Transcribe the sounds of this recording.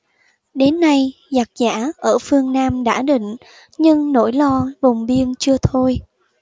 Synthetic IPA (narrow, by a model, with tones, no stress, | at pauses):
ɗe˨˦nːa˧j | za˨˩k̚za̰ː˧˥˩ʔəː˧˩fɨ˧əŋnaː˧mɗa̰ː˧˥ɗḭ˧˨ŋ̟ | ɲɨ˧ŋno̰˧˥jlɔ˧vʊ˨˩wŋ͡mvi˧ənt͡ɕɨ˧ət̪ʰo˧j